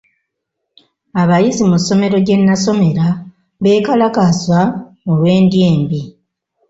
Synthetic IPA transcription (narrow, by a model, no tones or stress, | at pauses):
aβajizimuso̞me̞ɾo̞ɟe̞nːaso̞me̞ɾa | βe̞ːkalakaswa | olwe̞ːndjeːmbi